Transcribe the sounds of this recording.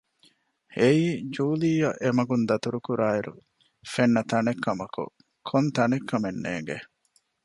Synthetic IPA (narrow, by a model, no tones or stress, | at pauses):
eiːd͡ʒuːliːjɐʔemɐɡund̪ɐt̪uɾukuɾaːiɾṵ | fenːɐt̪ɐnekːɐmɐkṵ | kʰont̪ɐnekʰːɐmenːḛːŋɡḛ